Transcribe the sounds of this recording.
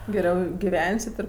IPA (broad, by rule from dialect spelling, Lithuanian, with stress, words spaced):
ɡʲɛˈrʲɛʊ ɡʲɪˈʋʲɛnʲsʲɪt ɪr